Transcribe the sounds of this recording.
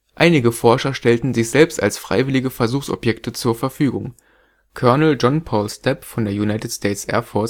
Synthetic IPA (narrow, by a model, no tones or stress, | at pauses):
ʔaɪnɪɡəfɔɐʃɐʃtɛltn̩zɪçz̥ɛlpsta̰lsfʁ̥a̰ɪvɪlɪɡəfɛɐzuːxsɔ̰pjɛktʰət͡suːɐfɛɐfyːɡʊŋ | kʰœɐnl̩d͡ʒɔnpʰɔːlstʰɛpfɔndeːɐjunaɪtɪtstʰɛːtsʔɛ̰ːɐfɔɐs